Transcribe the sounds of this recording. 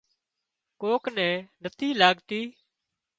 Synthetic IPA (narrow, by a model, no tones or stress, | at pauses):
koːknɛ̃ːnət̪ʰiːlaːɡt̪iː